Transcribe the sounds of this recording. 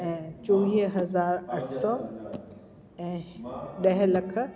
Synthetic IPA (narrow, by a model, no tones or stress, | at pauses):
ɛ̃ːt͡ɕõːʋiːɦɦɐzaːɾɐʈʰsɔː | ɛ̃ːɗɐɦlɐkʰə̆